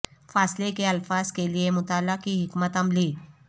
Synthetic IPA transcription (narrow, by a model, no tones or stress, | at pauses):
faːslekeɐlfaːzkeliemʊt̪aːləkiɦɪkmət̪ɦəmliː